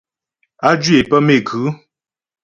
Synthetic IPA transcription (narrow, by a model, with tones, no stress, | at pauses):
a˦d͡ʒɥe˨pə˦me˨ɡʉ˨˦